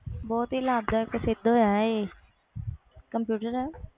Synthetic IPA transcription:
bɔːt̪ɦilaːb̚d̪akəsɪd̪ʱojae | kɐmpjuːʈəɾɛ

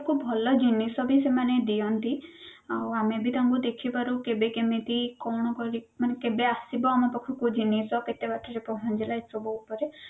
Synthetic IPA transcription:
kʰubbʱɔlɔd͡ʒinesɔbʱisemaned̪ijɔnt̪iawamebʱit̪aŋkud̪ekʰipaɾukebekemẽt̪ikɔɽ̃ɔkɔɾimanekebeasibɔamɔpɔkʰukud͡ʒinesɔket̪ebaʈʰɔɾepɔɦɔnd͡ʒelaesɔbɔupɔɾe

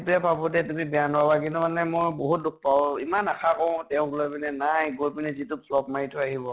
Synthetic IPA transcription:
tuɛbabɔtɛtumibɛjanabak̬intumanɛmojboɦut̚duk̚pawimanakʰakɔ̃tɛʊ̃ɡulɔpinɛnajɡoɹpinɛzitupʰlɔpmaɹitʊaɦibɔ

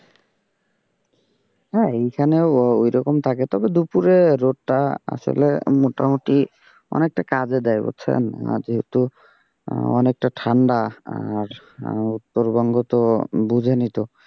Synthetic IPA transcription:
ɦɛejkʰaneoojɾɔkomt̪ʰaket̪ɔbed̪upuɾeɾoʈʈaa̰sɔ̰lemoʈamoʈi | ɔ̰nek̚ʈakad͡ʑed̪ajbo̰t͡sʰḛnd͡ʒiɦet̪u | ɔ̰nek̚ʈaʈʰaɳɖaa̰ɾ | ut̪ːoɾbɔŋɡot̪obud͡ʑʱenit̪o

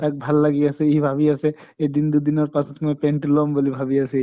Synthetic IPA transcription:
t̪ak̚bʱalːaɡiasɛiibʱabiasɛ | ed̪ind̪ud̪inɔɾpasɔt̪mɔpɛɳʈlɔmbolibʱabiasɛ

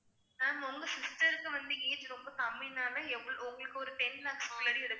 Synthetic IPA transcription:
naːnɔŋɡɐsɪsʈɐɾɯkːɯʋɐnd̪ɯeːðɯɾɔmbɐt̪ɐmːɪnaːnɐɛʋːɐɭɔŋɡɐɭɯkːɯɔɾɯʈɛnlaːkːsoːlɐɽiɛɽɯ

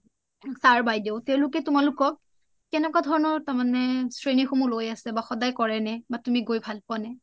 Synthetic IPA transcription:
saɹbajdeʊtɛʊ̃lʊkɛtumalʊkɔ | kɛnɛkwadʱɔɹɔnɔɹtaɹmanɛsɹenixomulojasɛbaxɔdajkɔɹɛnɛbatumiɡojbʱalpanɛ

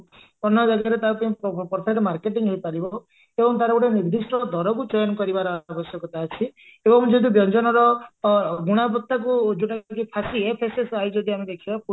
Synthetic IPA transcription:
pɔnɔd͡ʒaɡaɾet̪aɾɔpij̃pɔɾt̪ʰat̪ɔmaɾkeʈiŋɦejpaɾibɔ | ebɔŋt̪̬aɾɔbuɽeniɾd̪isʈɔd̪ʱɔɾɔkut͡ʃɔjɔnkɔɾibaɾɔabɔsjɔkɔt̪at͡ʃʰi | ebɔŋd͡ʒɔd̪ibjɔnd͡ʒɔnɔɾɔ | ɡuɽ̃apɔt̪ːakud͡ʒuʈak̬ipʰasiepʰesesajd͡ʒɔd̪ʱiamed̪ekʰibapu

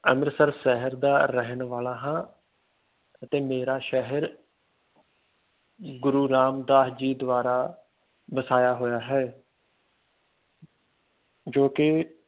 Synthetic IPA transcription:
əməɾsəɾʃɛɦəɾd̪aːɾəɦnʋaːlaːɦãː | ət̪eːmeːɾaːʃɛɦəɾ | ɡʊɾuːɾaːmd̪aːɦd͡ʒiːd̪ʋaːɾaː | bəsaːjaːɦoːjaːɦɛː | d͡ʒoːkɪ

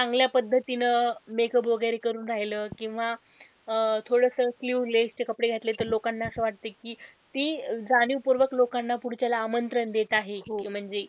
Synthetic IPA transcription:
t͡saŋɡljapəd̪ʱːət̪inəmekʰəbʱoɡaɾekəɾuːnɾaɦiləːkĩw̃ʋa | t̪ʰoɽəsəsliɾlest͡ɕekəpɽeɡʱet̪let̪əɾlokanːaəsəːʋaʈ̚t̪ekiːt̪iːd͡zaɽ̃iupuɾʋəklokanːapuɽt͡ɕjalaːmənt̪ɾənd̪et̪aɦeɦm̤əɳd͡ze

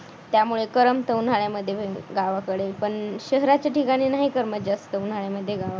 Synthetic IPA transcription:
t̪jamuɭekəɾəmt̪əwn̤aɭjaməd̪ʱːjeeɡaʋakəɽepəɳɕəɦɾat͡ɕjaʈikaɽ̃iːnaɦikəɾməd͡ʑast̪əun̤aɭjaməd̪ʱːjeɡaʋa

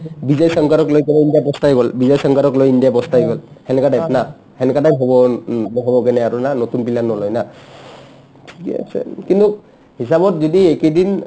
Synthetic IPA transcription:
bizajsɔŋkaɾɔklojknɛindiabɔstajɡɔlbizajsɔŋkaɾɔklojindijabɔstajɡɔlhɛnɛkadajpna | hɛnɛkatajɦɔbɔnɔɦɔbɔkɛnɛaɹunanotunpilanɔlɔjna | tʰi̥kɛ̰a̰sɛ̰kintuk | hisabɔtzodiekidin

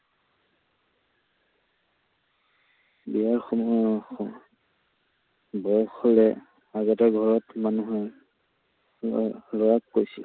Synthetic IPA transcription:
biaɹxɔmɔɔxɔ | bɔɹxɔlɛ | aɡɔtaɹɡʱɔɹɔtmanuɦɛ | lɔɹakːojsḭl

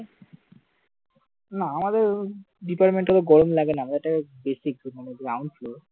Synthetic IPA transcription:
naamad̪eɾ | ɖipaɾʈmẽɳʈːat̪oɡɔɾomlaɡenaamad̪eɾeʈabesik̚maneɡɾawɳɖfloɾ

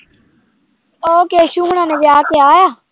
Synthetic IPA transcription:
oːkeːʃuːɦɽãːnẽːbiaːkeaːjaː

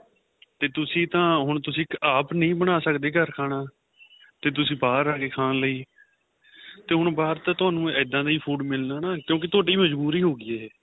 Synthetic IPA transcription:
t̪eːt̪ʊsĩːt̪ãːɦʊɳ̃t̪ʊsĩːkaːpnəĩːbəɳ̃aːsəkd̪eːɡəɾkʰaːɽ̃aː | t̪eːt̪̬ʊsĩːbaːɾaːkeːkʰãːnləiː | t̪eːɦʊɳbaːɾt̪ãːt̪ʊaːnũːɛːd̪ãːd̪iːpʰuːɖmɪlnaːnaːkjõːk̬ɪt̪ʰoːʈiːməd͡ʒbuːɾiːɦoːɡiːeː

